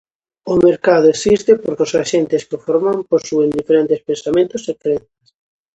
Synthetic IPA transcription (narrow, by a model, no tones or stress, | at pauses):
ʊmeɾkaðʊesist̪ɪpoɾkosaʃent̪ɪskɪofɔɾmamposuend̪ifeɾent̪espẽnsamẽnt̪ʊsekɾɛnθjas